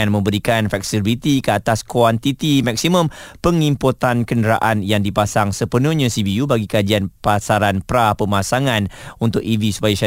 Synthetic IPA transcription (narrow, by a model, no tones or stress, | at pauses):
anmə̃mbəɾikanfɛksibit̪ikəat̪askant̪it̪imɛk̚simə̃mpəŋimpot̪ankəndəɾa̰ʔanjaŋdipasaŋsəpənuhɲãsibiubaɡikad͡ʒianpasaɾanpɾapəmasaŋãnunt̪ʊkivisu̥pajaʃa